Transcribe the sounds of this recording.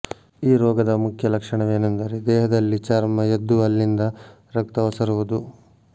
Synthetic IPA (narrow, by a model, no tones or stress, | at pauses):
iːɾɔːɡɐd̪ɐmukʰjɐlɐkʂɐɳɐʋeːnund̪aːɾed̪ɛːɦɐd̪ɐlːit͡ʃaːɾmɐjed̪ːuɐlːind̪ɐ | ɾɐkt̪ɐʋɐsɐɾuʋud̪u